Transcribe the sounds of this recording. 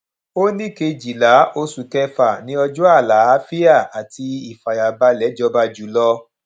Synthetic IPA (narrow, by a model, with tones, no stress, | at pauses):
o˦nĩ˦˨ke˧d͡ʒi˨la˨˦o˧su˨kɛ˧fa˨nĩ˨˦ɔ˧d͡ʒu˦a˦˨la˨˦a˦fi˦a˦˨a˨tʰi˧i˦˨fa˨ja˨ba˧˦lɛ˨˦d͡ʒɔ˧˦ba˧d͡ʒu˨˦lɔ˧˦